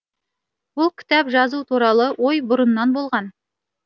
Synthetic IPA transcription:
bʊlˠkʲʰɪ̥t̪æpʒɑzut̪ʰuɾɑlˠɤwojbʊɾə̆nːɑnbolˠʁɑn

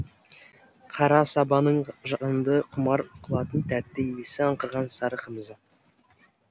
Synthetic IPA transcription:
qʰɑɾɑsɑbɑnəɴʒɑnd̪əqʰʊmɑɾqʰʊlˠɑt̪ənt̪ʰæt̪ːɪmesɪɑɴqəʁɑnsɑɾəqəməzə

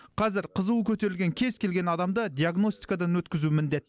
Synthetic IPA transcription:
qʰɑzɪɾqʰəzəwəkʲʰɵt̪e̞ɾɪlʲɡʲe̞ŋkʲʰe̞zkʲʰe̞lɡʲe̞nɑd̪ɑmd̪ɑd̪ʲijaɡno̞st̪ijkad̪ɑnwɵt̪kʲɪzumɪnd̪e̞t̪

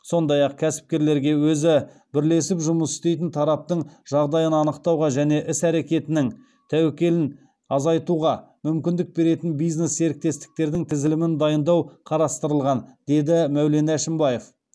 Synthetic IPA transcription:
so̞nd̪ɑjɑq̚kʲʰæsɪ̥p̚kʲe̞ɾle̞ɾɡʲe̞wɵzɪ | bɪɾle̞sɪpʒʊməsɪ̥st̪e̞jt̪ɪnt̪ʰɑɾɑp̚t̪əɴʒ̥ɑʁd̪ɑjənɑnəqt̪ɑwʁɑʒæne̞ʔɪsæɾe̞kʲe̞t̪ɪnɪŋ | t̪ʰæwekʲe̞lɪn | ɑzɑjt̪uʁɑ | mʏmkʲɪnd̪ɪk̚be̞ɾe̞t̪ɪnbijzne̞sːe̞ɾɪk̚t̪e̞st̪ɪ̥k̚t̪e̞ɾd̪ɪŋt̪ʰɪzɪlɪmɪnd̪ɑjənd̪ɑwqʰɑɾɑst̪əɾəlˠʁɑnd̪̥e̞d̪ɪmæwle̞næʃɪmbɑje̞f

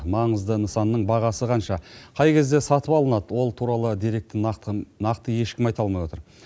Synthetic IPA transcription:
mɑɴəzd̪ənəsɑnːəɴbɑʁɑsəqʰɑnʃɑqʰɑjkʲe̞zd̪e̞sɑt̪əpɑlˠənɑd̪əwo̞lˠt̪ʰuɾɑlˠəd̪eɾe̞k̚t̪ɪnɑqt̪əje̞ʃkʲɪmɑjt̪ɑlˠmɑjwo̞t̪əɾ

